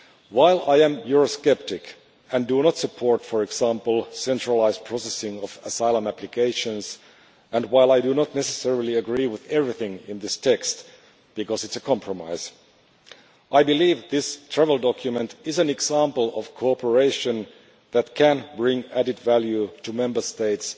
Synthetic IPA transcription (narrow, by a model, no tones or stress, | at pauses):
waɪlˠaɪɨ̃mjʊɹoskɛp̚tɪk | ɨ̃ndunətsɨpʰɔɹtfəɹɨɡsæ̃mpl̩ˠsɛ̃ntɹəlaɪzpʰɹ̥ɔsɛsɪ̃ŋʌvəsaɪlˠə̃mæplikʰeɪʃə̃nz | ʔɨ̃nwaɪlˠaɪdunɔt̚ⁿnɛsɨsɛɹlˠiɨɡɹiwɪðɛvɹiθɪ̃ŋɪ̰̃nðɪstʰɛkst | b̥ɨkɔzɨtsəkʰɑ̃mpʰɹɔma̰ɪz̥ | ʔaɪbɨlivðɪstʰɹ̥ævl̩ˠdɔkʰjɨmɨ̃ntɪzæ̃nɨɡsæ̃mpl̩ˠɔv̥kʰoɔpʰə˞eɪʃɨ̃n | ðæt̚kʰæ̃nbɹɪ̃ŋæɾɨdvælˠjutumɛ̃mbə˞steɪts